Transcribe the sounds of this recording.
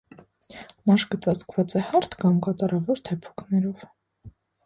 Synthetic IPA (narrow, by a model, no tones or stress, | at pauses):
mɑʃkət͡sɑt͡skvɑt͡sɛhɑɾt̪ʰkɑmkɑt̪ɑɾɑvɔɾt̪ʰɛpʰu̥kʰnɛɾɔv